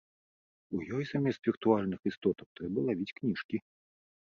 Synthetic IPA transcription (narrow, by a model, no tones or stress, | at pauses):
ujɔjsamʲɛst̪vʲirt̪ualʲnɨxist̪ɔt̪ɐk̚t̪ɾɛbɐlˠavʲit͡sʲknʲiʂkʲi